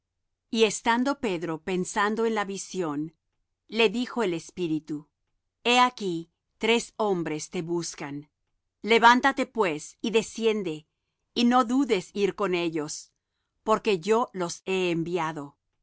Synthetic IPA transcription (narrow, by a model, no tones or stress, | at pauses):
ie̞st̪and̪o̞pe̞ðɾo̞pe̞nsand̪o̞e̞nlaβisjo̞n | le̞ðixo̞elespiɾit̪u | e̞aki | t̪ɾe̞so̞mbɾe̞st̪e̞βuskan | le̞βant̪at̪e̞pwe̞siðe̞sje̞nd̪e̞ | ino̞ðuðe̞siɾko̞ne̞ʝo̞s | po̞ɾke̞ʝo̞lo̞se̞ːmbjaðo̞